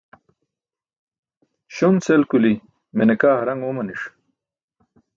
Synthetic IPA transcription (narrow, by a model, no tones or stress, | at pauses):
ɕont͡selkuli | menekaːɦɾɐŋomɐniʂ